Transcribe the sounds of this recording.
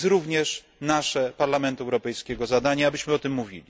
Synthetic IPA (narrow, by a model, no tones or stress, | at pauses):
sɾuvɲɛʂ | naʂɛpaɾlamɛnt̪uɛwɾɔpɛjskʲɛɡɔzad̪aɲaabɘɕmɘɔt̪ɘmːuvʲḭlʲi